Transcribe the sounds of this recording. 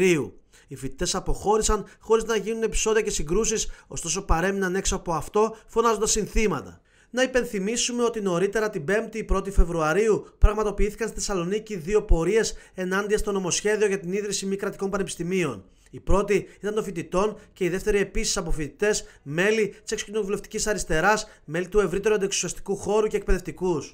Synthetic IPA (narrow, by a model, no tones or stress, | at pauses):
ɾiu | ifit̪i̥t̪e̞sɐpo̞xo̞ɾisɐnxo̞ɾiznɐʝinune̞pi̥so̞ðiɐce̞siŋɡɾusiso̞st̪o̞so̞pɐɾe̞minɐne̞ksoɐpoɐft̪o̞fo̞nɐzont̪ɐsinθimɐt̪ɐ̰ | nɐipe̞nθimisume̞o̞t̪ino̞ɾit̪e̞ɾɐt̪ibe̞mt̪iːpɾo̞t̪̬ife̞vɾuɐɾiupɾɐɣmɐt̪o̞piiθi̥kɐnst̪i̥θesɐlo̞niciðio̞po̞ɾie̞se̞nɐnd̪iɐst̪o̞no̞mo̞sçe̞ðio̞ʝɐt̪iniðɾisimikɾɐt̪iko̞npɐne̞pi̥st̪imio̞̰n | ipɾo̞t̪iit̪ɐnt̪o̞fit̪it̪o̞nce̞iðe̞ft̪e̞ɾie̞pisi̥sɐpofit̪it̪e̞sme̞lit̪isekso̥cino̞vule̞ft̪i̥cisɐɾist̪e̞ɾɐsme̞lit̪ue̞vɾit̪e̞ɾuɐnd̪eksiɐst̪i̥kuxo̞ɾuce̞ːk̚pe̞ðe̞ft̪ikus